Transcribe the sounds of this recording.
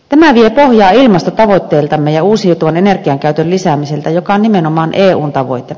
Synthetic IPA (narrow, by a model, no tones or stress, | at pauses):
t̪æmæʋiepohjɑːilmɑst̪ot̪ɑʋot̪ʲːeːlt̪ɑmːejɑuːsijut̪uʋɑnenerɡiɑŋkæyt̪øllisæːmiselt̪æjokɑonnimenomɑːnʔeːuːnt̪ɑʋo̰it̪e